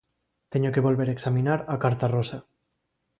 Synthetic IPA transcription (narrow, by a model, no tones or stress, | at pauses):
t̪eɲokeβo̞lβeɾeksaminaɾakaɾt̪arosa